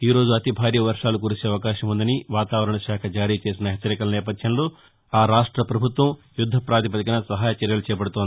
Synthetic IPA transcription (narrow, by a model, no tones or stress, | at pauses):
iːɾo̞ːd͡ʒuɐt̪ibʱaːɾjɐʋɐɾʂaːluk̬uɾisiɐʋɐkaːʃɐmund̪ɐniʋaːt̪aːʋɐɾɐɳɐʃaːkʰɐd͡ʒaːɾiːt͡ʃe̞ːs̬inɐɦet͡ʃːɐɾikɐlɐnɛːpɐd̪ʱjɐnlo̞ː | aːɾaːʂʈɾɐpɾɐbʱut̪ʋɐm | jud̪ʱːɐpɾaːd̪ipɐt̪ikɐnɐsɐɦaːjɐt͡ʃɐɾjɐlut͡ʃɛːɐpɐɽut̪oːnd̪i